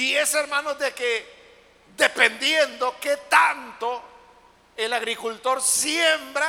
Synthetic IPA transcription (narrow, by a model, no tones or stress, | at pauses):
ieseɾmãnozðeke | d̪epend̪jend̪o̞ke̞t̪ant̪o̞ | elaɣɾikult̪o̞ɾsjembɾa